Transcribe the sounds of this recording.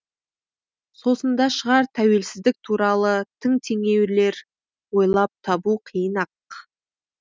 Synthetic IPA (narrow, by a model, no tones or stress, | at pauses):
so̞sənd̪ɑʃəʁɑɾt̪ʰæwe̞lsɪzd̪ɪk̚t̪ʰuɾɑlˠət̪ʰɪŋt̪ʰe̞ŋe̞wle̞ɾ | wo̞jlˠɑp̚t̪ʰɑbuqʰijənɑq